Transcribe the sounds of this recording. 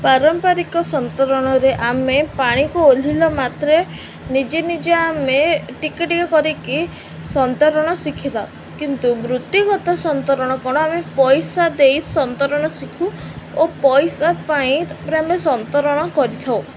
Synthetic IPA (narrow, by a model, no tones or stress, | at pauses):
paɾɔmpaɾikɔsɔnt̪ɔɾɔɽ̃ɔɾeʔamepaɽ̃ikuol̤ilɔmat̪ɾe | nid͡ʒenid͡ʒeameʈikeʈikɔkɔɾiki | sɔnt̪ɔɾɔɽ̃ɔsikʰila | kint̪ubɾut̪jukɔt̪ɔsɔnt̪ɔɾɔɽ̃ɔkɔɽ̃ɔamepɔjsad̪ejsɔnt̪ɔɾɔɽ̃ɔsikʰuopɔjsapaĩpɾeamesɔnt̪ɔɾɔɽ̃ɔkɔɾit̪ʰaw